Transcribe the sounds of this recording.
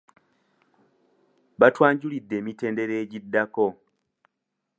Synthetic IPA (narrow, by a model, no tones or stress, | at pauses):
βatwaːɲɟulidːe̞ːmite̞ːnde̞ɾe̞ːɟidːako̞